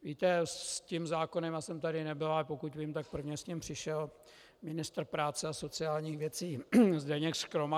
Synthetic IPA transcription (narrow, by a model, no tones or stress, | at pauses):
viːt̪ɛscimzaːko̞nɛmasɛmt̪adɪnɛbɪlapokut̪viːmt̪ak̚pr̩vɲɛsɲimpr̥ɪʃɛl | mɪnɪst̪r̩pɾaːt͡sɛaso̞t͡sɪaːlɲiːxvjɛt͡siːzdɛɲɛkskɾoma